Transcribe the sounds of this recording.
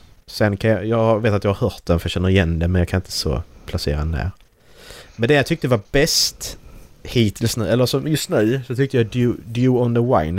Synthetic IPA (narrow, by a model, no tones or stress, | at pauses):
sɛnkʰanjɑjɑːɡhɑveːt̪at̪jɑɡhɑɾhœːɾt̪̚d̪ɛnfɾjɑɕɛnːəɾɪjɛnd̪ɛmɛnjɑkʰanɪnt̪əsɔ̰pʰlasḛːɾadnæ̰ːɾ | mɛnd̪ɛjat̪ʰʏk̚t̪əvaɾbɛst̪hiːt̪ʰɪlsnʉ̟ːɛlːəɾsɔmjɵst̪nʉ̟ːsɔt̪ʰʏkt̪əjad̪jʉd̪jʉːɔnd̪əwa̰ɪn